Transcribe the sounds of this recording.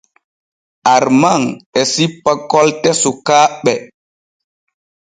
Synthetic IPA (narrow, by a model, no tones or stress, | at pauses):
aɾmaŋɛsipːakɔltɛsukaːɓɛ